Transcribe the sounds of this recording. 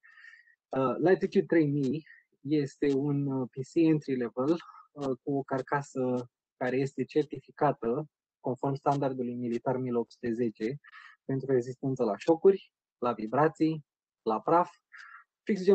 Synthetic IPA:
əlajt̪it̪jud̪̚t̪ːɾejmij | je̞st̪e̞unpisient̪ɾilevelkuo̞karkasə | kaɾe̞je̞st̪e̞t͡ʃe̞rt̪ifikat̪ə | ko̞nfo̞rmst̪and̪ard̪ulujmilit̪armilop̚t̪su̥t̪eze̞t͡ʃe̞pe̞nt̪ɾueɡzist̪ent̪səlaʃo̞kurʲ | lavibɾat̪sij | lapɾaf | fiks̬d͡ʒe

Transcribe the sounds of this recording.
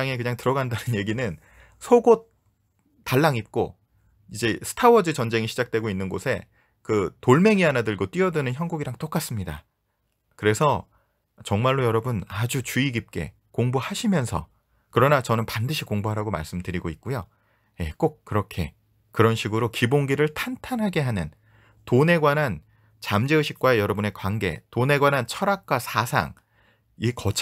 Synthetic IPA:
aŋe̞k̬ɯɲaŋtɯɾʌɡandanɯnje̞ɡinɯn | sʰoɡot | t͈ːaɭːaŋip̚k͈o | id͡ʑe̞sʰɯ̥tʰawʌd͡ʑɯt͡ɕʌnd͡ʑe̞ŋiɕʰid͡ʑak̚t͈we̞ɡoinːɯnɡosʰe̞ | kɯtoɭme̞ŋianadɯɭɡot͈wiʌdɯnɯnçjʌnɡuɡiɾaŋt͈ok͈as͈ɯmɲida̰ | kɯɾe̞sʰʌ | t͡ɕʌŋmaɭːojʌɾʌbɯnad͡ʑut͡ɕuiɡip̚k͈e̞̰ | koŋbuhaɕʰimjʌnsʰʌ̰ | kɯɾʌnat͡ɕʌnɯnpandɯɕʰikoŋbuɦaɾaɡoma̰ɭs͈ɯmdɯɾiɡoik̚k͈ujo | je̞k͈ok̚k͈ːɯɾʌkʰe̞̰ | kɯɾʌnɕʰiɡɯɾokiboŋɡiɾɯɭtʰantʰanɦaɡe̞ɦanɯn | tone̞ɡwanɦan | t͡ɕamd͡ʑeɯɕʰik̚k͈waejʌɾʌbune̞kwanɡe̞̰tone̞ɡwanɦant͡ɕʰʌɾak̚k͈wasʰasʰa̰ŋ | ikʌt͡ɕʰ

